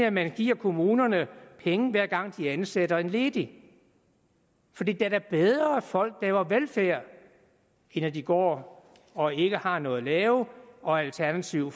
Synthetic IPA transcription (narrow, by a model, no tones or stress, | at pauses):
æmænɡ̥ḭːɐ̰kʰo̝muːnɐnəpʰeŋəʋæɐ̰ɡ̥ɑ̈ŋ̰d̥iænsed̥ɐe̝nle̝ːd̥i | fɒ̽d̥ḭːd̥æɐdæɐb̥eð̞ˠʁɐæfɒ̽l̰ɡ̥̚d̥æʋɑʋelfæɐ̰ | enæd̥iɡ̥ɒ̰ː | ɒ̽e̝ɡ̥əhɑ̈nɔ̽ːð̩ˠlɛːʊɒ̽ælt͡sʰæɐnæt͡sʰiʊ̰